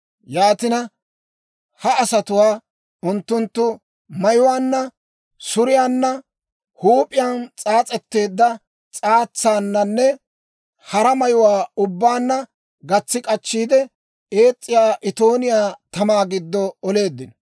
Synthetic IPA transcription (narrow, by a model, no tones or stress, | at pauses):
jaːt̪ɪnɐ | hɐːsɐt̪ʊwaː | ʔʊnt̪ːʊnt̪ːʊ | mɐjʊwaːnːɐ | sʊɾɪjaːnːɐ | huːpʼɪjaːnt͡sʼaːt͡sʼɛt̪ːe̞ːd̪ːɐ | t͡sʼaːt͡sːaːnːɐnːɛ | hɐɾɐmɐjʊwaːʊbːaːnːɐ | ɡɐt͡sːɪkʼɐt͡ʃːiːd̪ɛ | e̞ːt͡sʼːɪjaːʔɪt̪o̞ːnɪjaːt̪ɐmaːɡɪd̪ːɔːle̞ːd̪ːɪnɔ